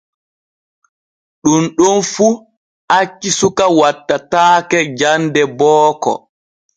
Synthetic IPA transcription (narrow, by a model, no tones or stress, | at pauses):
ɗunɗɔnfu | ʔat͡ʃːisukawatːataːkɛd͡ʒandɛbɔːkɔ̰